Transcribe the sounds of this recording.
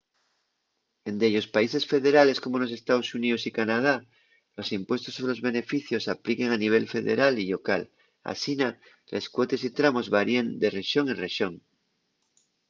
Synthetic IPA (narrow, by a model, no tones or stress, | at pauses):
e̞nd̪eʎo̞spaise̞sfe̞ðe̞ɾale̞sko̞mo̞lo̞se̞st̪aðo̞suniðosikanað̞a | lo̞simpwe̞st̪o̞soβelo̞zβe̞ne̞fiθjo̞saplike̞ŋaniβ̞e̞lfe̞ðe̞̰ɾaliʎo̞ka̰l | a̰sina | lʔe̞skwo̞t̪e̞sit̪ɾamo̞zβaɾiend̪e̞reʃo̞ŋereʃo̞ŋ